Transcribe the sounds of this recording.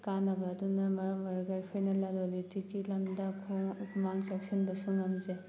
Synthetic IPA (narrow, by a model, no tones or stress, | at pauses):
kanɐbɐːdunɐmɐɾɐmɐɾɡajpʰojnɐlalolitiɡilɐmdɐkʰoumaŋsak̚sinbɐsuŋɐmze